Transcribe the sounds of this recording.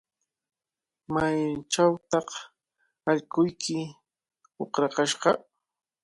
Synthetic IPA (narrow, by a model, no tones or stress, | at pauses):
majt͡ʃawt̪ɑq | aʎkʊjkɪ | oqɾɑqɑʃɢɑ